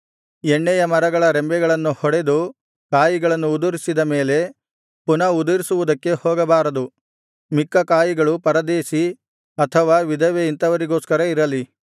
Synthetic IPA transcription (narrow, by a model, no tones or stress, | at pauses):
eɳːɛjɐmɐɾɐɡɐɭɐɾembɛɡɐɭɐnːuhɔɽe̞d̪u | kaːjiɡɐɭɐnːuːd̪uɾisid̪ɐme̞ːle̞ | punɐud̪uɾisuʋud̪ɐkːe̞hoːɡɐbaːɾɐd̪u | mikːɐkaːjiɡɐɭupɐɾɐd̪eːʃi | ɐt̪ʰɐʋaːʋid̪ɐʋeint̪ɐʋɐɾiɡoːskɐɾɐiɾɐli